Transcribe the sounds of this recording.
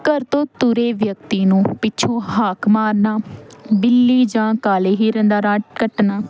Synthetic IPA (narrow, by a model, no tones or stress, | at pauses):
kəɾt̪õːt̪uɾeːʋjək̚t̪iːnũːpɪːt͡ʃʰõːɦaːkʰmaːɾnaːbɪlːiːd͡ʒãːkaːleːɦiːɾɛ̃nd̪aːɾaːʈkəʈnaː